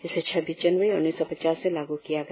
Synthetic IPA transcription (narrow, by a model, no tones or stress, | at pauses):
d͡ʒɪset͡ʃʰɐbʱid͡ʒɐnʋəɾiʊnːiːsɔpɐt͡ʃaːsːelaːɡukijaɡɐ